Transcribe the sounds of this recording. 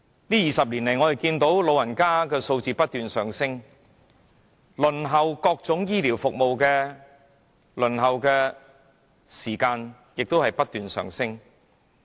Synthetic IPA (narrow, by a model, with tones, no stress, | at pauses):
liː˥jiː˨˩sɐ˨p̚liː˨˩nle˨˩jŋɔː˨˧j̪e˨˩kiː˧nt̪o˨˥wlo˨˧wjɐ˨˩nkaː˥kɛː˧so˧wt͡siː˧pɐ˥t̚t̪yː˨nsœː˨ŋsɪ˥ŋ | lɵ˨˩nɦɐ˨wkɔː˧k̚t͡sʊ˨˥ŋjiː˥liː˨˩wfʊ˨k̚mo˨wkɛː˧ | lɵ˨˩nɦɐ˨wkɛː˧ | siː˨˩kaː˧n | jɪ˨k̚t̪o˥whɐ˨jpɐ˥t̚t̪yː˨nsœ̰ː˨ŋsɪ˥ŋ